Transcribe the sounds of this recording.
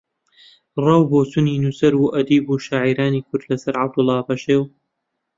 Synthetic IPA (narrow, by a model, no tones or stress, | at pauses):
rɑwboːsuniːnusɐɾuʔɐd̪iːbuːʃaːʕiːɾaːniːkʰʊɾd̪lɐsɐɾʕab̚d̪ʊlˠːɑːpɐʃeːw